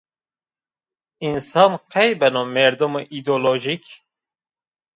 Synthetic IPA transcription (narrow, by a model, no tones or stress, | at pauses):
insɑːnqɛjbɛnomɛɾd̪umoʔid̪oloʒik